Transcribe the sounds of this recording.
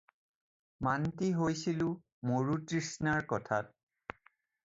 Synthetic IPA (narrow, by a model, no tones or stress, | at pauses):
mantiɦojsilʊ | moɹutɹisnaɹkɔtʰa̰t̚